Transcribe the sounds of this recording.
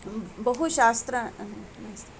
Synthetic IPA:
bɐɦuʃaːst̪ɾəmɐst̪

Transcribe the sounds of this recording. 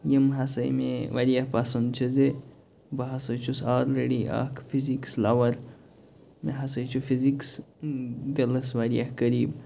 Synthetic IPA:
jimɦɐsɐjmeʋaɾijahpasɐnd̪t͡ʃʰɐze | bɐɦɐsət͡ʃʰusalɾeɽia̰kʰfizikslaʋɐɾ | meɦɐsəjt͡ʃʰufiziks | d̪eləsʋaɾijahkəɾiːb

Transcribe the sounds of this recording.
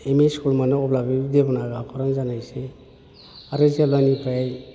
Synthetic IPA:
emiskulmanɯɔblabid̪ebɔnaɡapʰɔɾanzanajse | aɾɯzalɔnipʰaj

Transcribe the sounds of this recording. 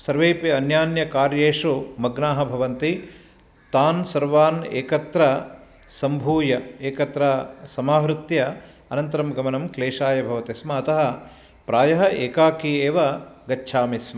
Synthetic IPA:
sɐɾʋeːpiɐnjaːnjɐkaːɾjeːʂumɐɡnaːɦɐ̆bʱɐʋɐnt̪i | t̪aːnsɐɾʋaːnḛːkɐt̪ɾɐ | sɐmbʱuːjɐeːkɐt̪ɾɐsɐmaːɦɾut̪jɐ | ɐnɐnt̪ɐɾɐmɡɐmɐnɐmkleːʃaːjɐbʱɐʋɐt̪ismɐːt̪ɐɦɐ̆ | pɾaːjɐɦɐʔeːkaːkieːʋɐɡɐt͡ʃːʃʰaːmismɐ

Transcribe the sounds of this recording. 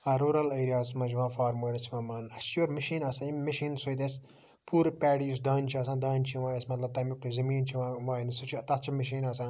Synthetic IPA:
ɐɾuːɾɐlɐːɾijaːsmɐd͡ʒiʋãːfaːɾmoːɾɐt͡ʃʰiʋɐ̃ːmɐːnɐt͡ʃjoɾmɐʃiːnɐsãimɐʃiːnsojt̪es | pʰuːɾpʲɛːɽijusd̪aːnʲt͡ʃʰiɐsãːd̪aːnʲt͡ʃʰiʋãːesmɐt̪lɐb̚t̪ɐmʲukʈizɐmiːnt͡ʃʰiʋãːʋaːnisut͡ʃʰit̪ɐt̪t͡ʃʰimɐʃ̬iːnɐsãː

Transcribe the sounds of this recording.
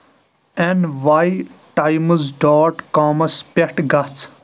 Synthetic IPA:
enʋaːjʈajməzɖaːʈkaːmɐspeʈɡɐt͡sʰ

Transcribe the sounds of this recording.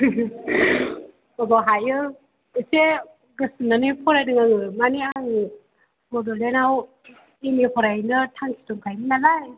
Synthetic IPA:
ɔbaɦajɯ | ɯse | ɡɯsɯnanipʰɔɾajdɯŋaŋɯmaniaŋɯ | bɔdɔlenaw | emipʰɔɾajnɯtʰaŋkʰi̥tɔŋkʰajmɯnalaj

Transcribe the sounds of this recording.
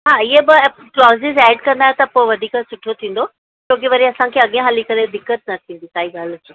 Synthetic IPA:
ɦaːɪɦebɪ | klɔːzɪzɛːɖkɐ̃nd̪aːɦẽt̪ɐpoːɪʋɐd̪ʱiːkəsʊʈʰiot̪ʰĩːn̆d̪o | t͡ɕõːk̬ɪʋɐɾiɐsãkʰeːɐɠẽɦaːlikɐled̪ɪkːət̪̚nɐt̪ʰĩːn̆d̪isaːɦiɡaːlsũ

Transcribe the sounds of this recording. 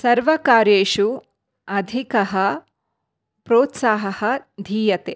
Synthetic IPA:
sɐɾʋɐkaːɾjeːʃu | ɐd̪ʱikɐɦɐ | pɾoːt̪saːɦɐhɐ̆d̪ʱiːjɐt̪eː

